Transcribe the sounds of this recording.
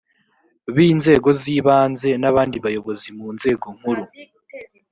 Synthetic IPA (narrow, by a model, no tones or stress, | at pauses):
βiːnze̞ːɡo̞ziːβaːnze̞naβaːndiβajo̞βo̞zimuːnze̞ːɡo̞ŋ̥huɾu